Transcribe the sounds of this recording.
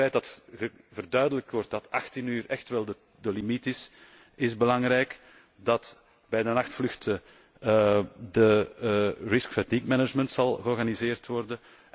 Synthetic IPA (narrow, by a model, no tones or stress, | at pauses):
ɛjt̚dɑtɣə | vərdœːɥdələk̚tʋɔrt̚dɑtɑxtinyːrɛxtʋɛlˠdə | dəlimitɪs | ɪzbəlɑŋɾɛjk | dɑt | bɛjdənɑxtflʏxtə | də | rɪskfɛtikmɛnəd͡ʒmənt̪sɑlˠɣəɔrɣanizeːrtʋɔrdə